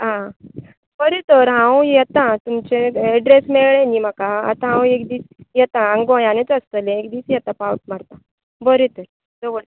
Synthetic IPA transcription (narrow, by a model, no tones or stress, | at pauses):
ɦã | bəɾet̪əɾɦãwjɛt̪ãt̪umt͡ɕeɛɖɾesmɛɭɭẽnim̤akaa̰t̪ãɦãwekd̪iːt͡sjɛt̪ãːŋɡõjãnet͡səst̪əlẽekd̪iːt͡sjɛt̪apawəʈ̚maɽt̪a | bəɾet̪əɾ | d͡zəʋəɭ